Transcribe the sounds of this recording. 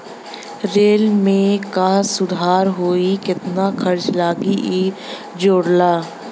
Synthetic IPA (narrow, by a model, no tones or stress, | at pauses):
ɾeːlmẽkasʊd̪ʱaːɾɦoːikɪt̪nakʰɐɾt͡ʃlaːɡi | d͡ʒoːɽlaː